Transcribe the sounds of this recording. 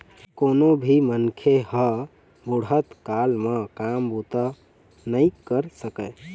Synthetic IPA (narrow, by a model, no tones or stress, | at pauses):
koːnobʱimənkʰehə | buɽət̪kalmekambot̪a | nəikəɾsəkə